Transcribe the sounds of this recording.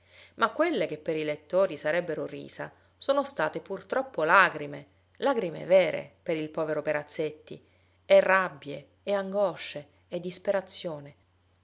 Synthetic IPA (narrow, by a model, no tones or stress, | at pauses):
makːwelːek̟epːeɾilet̪ːoːɾisaɾɛbːeɾorḭːsa̰ | soːnost̪aːt̪epurt̪ɾɔpːolaːɡɾime | laɡɾimḛvɛːɾḛpeɾilpɔːveɾopeɾat̪sːet̪ːḭ | ɛrːabːjeː | aŋɡɔʃːeː | d̪ːispeɾat̪sːjoːne